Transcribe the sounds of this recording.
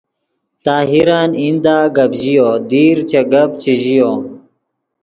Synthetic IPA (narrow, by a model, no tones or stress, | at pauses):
t̪aːɦiɾaːnind̪aːɡɐbʑijoːd̪iːɾt͡ɕeɡɐb̚t͡ɕiʑijoː